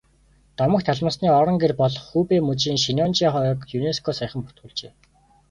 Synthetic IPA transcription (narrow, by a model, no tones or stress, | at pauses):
t̪ɔmə̆kt̪ʰaɮmə̆sniːɔɾɞ̆ŋɡerpɔɮɞ̆χxuːpeːmɵt͡ɕiːŋʃinɔnt͡ɕiːχɔjkjuneskʰɔːsaj̆χə̆mpʊ̥t̪̚ɡŭːɮt͡ɕeː